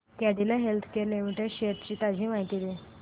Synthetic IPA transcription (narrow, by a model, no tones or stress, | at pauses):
t̪jaɽilaɦelt̪ʰkeɾlemiʈeɕeɾt͡ɕiːt̪ad͡ʑʱiːmaɦit̪id̪e